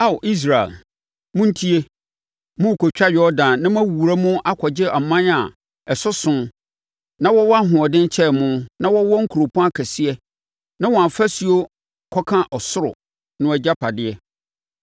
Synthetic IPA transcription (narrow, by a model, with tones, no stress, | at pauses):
a˦˨wʔi˦s̬ɾa˨ɛ̰˨l | mʊ̃˦n̩˦tʰi˦e˦ | mʊ̃˦˨kʰo˨t͡ɕᶣa˦ɥɔ˦dã˨nnã˦m˦ã˦wu˨ɾa˦mʊ̃˦ʔa˦kʰɔ˨d͡ʑɪ˦ʔa˨mːã˦na˨ | ɛ˨sʊ˦sʊ̃˦ | nã˦wɔ˦wɔ˦a˦ɦʊ̃˨ɔ˨dɪ̃˦n˦t͡ɕʰɛ˦˨mʊ̃˦nã˦wɔ˦wɔ˦ŋ̩˦kʰu˨ɾo˨pʰũ˦a˦kʰæ˨si˦ɛ˦ | nã˦wɔ̃˨ã˨fæ˦si˨o˦ | kʰɔ˦kʰã˦ʔɔ˨sʊ˦ɾʊ̰˨ | nʊ̃˦ɛ˨d͡ʑa˦pʰa˨dɪ˦ɛ˦